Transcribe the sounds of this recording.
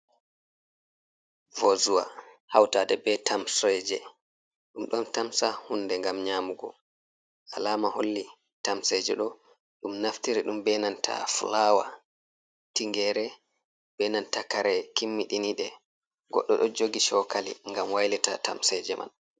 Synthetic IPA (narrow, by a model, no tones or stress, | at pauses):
vozuwa̰hawtadɛbɛtʰamsɛd͡ʒɛ | ɗumɗɔntamsahunːdɛŋɡamɲaːmuɡɔ̰ | ʔalaːmaholːi | tamsɛd͡ʒɛ̰ɗɔ | ɗumnaftiɾiɗumbɛnantʰa̰flawa̰ | tiŋɡɛɾɛ | bɛnantakaɾɛkimːiɗiniɗɛ | ɡɔ̰ɗːɔ̰ɗɔd͡ʒoɡiʃɔkalḭŋɡamwajlɛta̰tamsɛd͡ʒɛmʔa̰n